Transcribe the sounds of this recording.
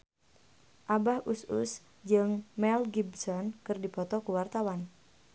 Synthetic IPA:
ʔabahʔusʊ̰s | d͡ʒɨŋmɛlɡibsɔnkɨrdipɔt̪ɔkuwart̪awan

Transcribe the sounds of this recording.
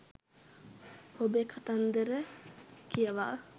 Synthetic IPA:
hobekʰat̪and̪əɾəkʰijəʋa̰ʔ

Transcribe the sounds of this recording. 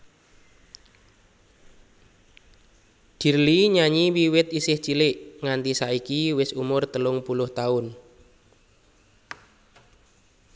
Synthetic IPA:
d̪̥i̤ɾliɲaɲiwiwɪt̪isɪht͡ʃilɪʔŋant̪isaikiwɪsumʊrt̪əlʊŋpulʊht̪aʊn

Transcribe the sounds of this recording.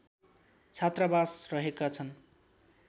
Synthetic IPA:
t͡sʰat̪rabasrʌɦekat͡sʰʌn

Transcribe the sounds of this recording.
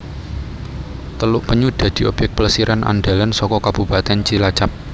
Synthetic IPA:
t̪əlʊʔpəɲud̪̥a̤d̪̥i̤ʔob̥jɛk̪̚pələsiɾʔanʔa̰nɖ̪alansɔkɔkab̥ṳpat̪ɛnt͡ʃilḁt͡ʃap̚

